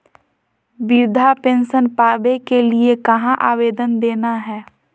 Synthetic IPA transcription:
biɾd̪ʱapẽːnʃənpaːbekeliekɐɦãʔaːʋeːd̪ənd̪eːnaɦɛː

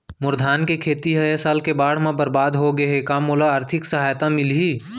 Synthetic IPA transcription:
mʊɾd̪ʱaːnkekʰeːt̪iɦɐesaːlkebaːɽ̤mẽbɐɾbaːd̪ɦoɡɐɦekaːmːolaaːɾt̪ʰɪksɐɦaːjt̪ãmɪlɦiː

